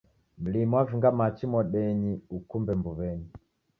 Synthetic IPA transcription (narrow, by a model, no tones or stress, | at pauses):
m̩limwaviŋɡamat͡ʃimɔɗɛniukumbɛmbuβɛni